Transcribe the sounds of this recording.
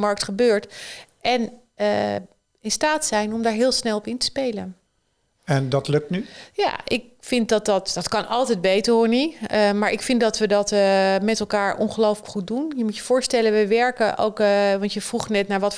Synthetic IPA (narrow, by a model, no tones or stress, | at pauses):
mɑɹk̚tχəbøːɹtʔɛn | ɪnstaːtsɛjnɔmdaːɹɦɪːlˠsnɛlˠɔpɪntə̥spejlən | ɛndɑtlɵk̚tnyja̰ːʔɪk̚fɪnt̚dɑt̚dɑtd̥ɑtkɑnɑlˠtɛjd̚bejtəɹɦʊɹniəmaːɹʔɪkfɪndɑtʋədɑtmɛtɛlˠkaːɹʔɔ̰nχəlowfələkχut̚dunjəmutjəv̥ʊːɹstɛlənʋəʋɛɹkəʔo̰wkʋɑntjəv̥ruχənɛtnaːɹʋɑt